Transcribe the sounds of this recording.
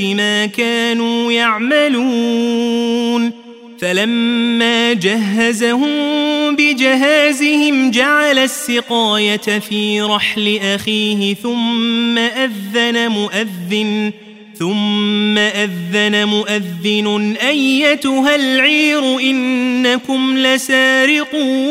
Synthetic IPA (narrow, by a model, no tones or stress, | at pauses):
ɪmaːkaːnuːjaʕmaluː | n | falamːaːd͡ʒaɦːazahʊmbɪd͡ʒɪɦaːzɪhɪmd͡ʒaʕalasːɪqɑːjat̪afiːɾˤɑħlɪʔaxiːhɪθʊmːaʔaðːanamʊʔaðːɪn | θʊmːaʔaðːanamʊʔaðːɪnʊʔajːat̪ʊɦalʕiːɾʊʔɪnːakʊmlasaːɾɪquː